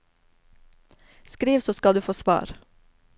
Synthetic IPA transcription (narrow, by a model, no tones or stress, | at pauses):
skɾiːʋsoːskɑld̪ʉːfoːsʋɑ̰ːɾ